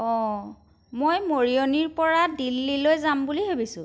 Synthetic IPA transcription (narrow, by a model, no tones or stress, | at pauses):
ɔ | mojmoɹijoniɹpɔɹadilːilojzambuliɦebisʊ̃